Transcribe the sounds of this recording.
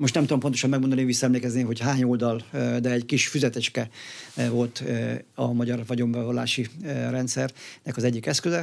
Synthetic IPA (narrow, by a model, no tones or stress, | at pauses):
mo̞ʃt̪nɛmt̪ud̪ompo̞nt̪o̞ʃɒmːɛɡ̚mo̞nd̪ɒnivisːɒɛmleːkɛzneːɦo̞chaːɲoːld̪ɒld̪ɛːɟkiʃfyzɛt̪ɛt͡ʃkɛvo̞lt̪ɒmɒɟɒrvɒɟo̞mbɛvolːa̰ːʃirɛnt̪sɛrnɛkɒzɛɟːikɛskøzɛ